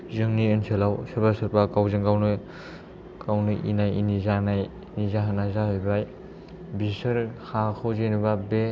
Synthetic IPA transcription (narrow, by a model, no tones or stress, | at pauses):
zɯŋniɯnsʰelawsɯɾbasɯɾpakawzɯŋɡawnɯ | kawnɯʔḭnajinizanaj | nizaɦanazahɔjbaj | bisɯɾhakʰawzenibabe